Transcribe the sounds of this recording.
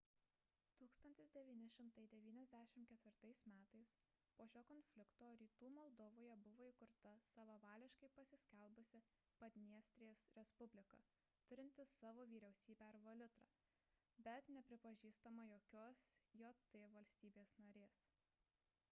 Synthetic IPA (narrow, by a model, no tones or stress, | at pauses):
t̪uːkst̪ɐnʲt̪ʲɪsd̪ʲɛʋʲiːnʲɪʃʲɪmt̪ɐɪd̪ʲɛʋʲiːnʲɛzʲd̪ʲæːʃʲɪmkʲɛt̪ʲʋʲɪɾt̪ɐɪsmʲæːt̪ɐɪs | poːʃʲoːkɔnʲfʲlʲɪkt̪oːɾʲiːt̪uːmɔlˠd̪ɔʋoːjɛbʊʋoːikʊɾt̪ɐsɑʋɐʋɑːlʲɪʃkɐɪpɐsʲɪsʲkʲɛlʲˠbʊsʲɪ | pɐd̪ʲnʲiɛsʲt̪ʲɾʲejeːsɾʲɛspʊbʲlʲɪkɑ̰ː | t̪ʊɾʲɪnʲt̪ʲɪsɑːʋoːʋʲiːɾʲɛʊsʲiːbʲɛɐɾʋɐlʲʊt̪ɾɑ̰ː | bʲɛt̪nʲɛpʲɾʲɪpɐʒʲiːst̪ɐmɐjoːkʲoːsjoːt̪ʲɪʋɐlʲsʲt̪ʲiːbʲeːsnɐɾʲeːs